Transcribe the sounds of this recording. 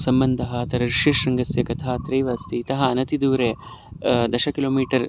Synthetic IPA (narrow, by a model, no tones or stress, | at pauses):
sɐmbɐnd̪ʱɐɦɐ̆t̪ɐɾɐɾiʃeːʂɾɐŋɡɐsjɐkɐt̪ʰaːt̪ɾɐjʋaːst̪it̪ɐɦɐɐnɐt̪id̪uːɾe | d̪ɐʃɐkiloːmiːʈɐɾ